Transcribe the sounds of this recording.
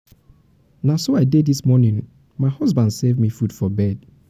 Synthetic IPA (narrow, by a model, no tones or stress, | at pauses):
nasoaɪdɛdðismɔnĩŋ | maɪhɔzbãndsevmifud̥fɔbɛd̥